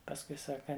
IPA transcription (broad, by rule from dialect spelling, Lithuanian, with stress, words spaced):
pɐsˈkʊɪ ˈsɑːkɐ